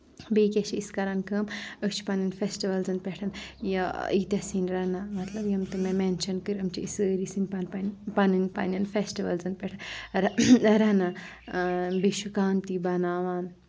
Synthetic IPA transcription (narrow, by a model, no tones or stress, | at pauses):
beːkʲet͡ʃʰiiskɐɾankəːməkt͡ʃʰi̥pɐnɐnfesʈiʋɐlzɐnpʲeʈʰɐnjɐit̪ʲɐsiːnɾɐnamɐt̪lɐbjɐmt̪ɨmemenʃɐnkɨɾɐmt͡ʃʰiisəːɾisinpɐnpɐnpɐnɨnʲpɐ̰nʲɐnfesʈiʋɐlzɐnpʲɛʈʰɐnɾɾɐna | biʃukaːnt̪ibɐnaːʋaːn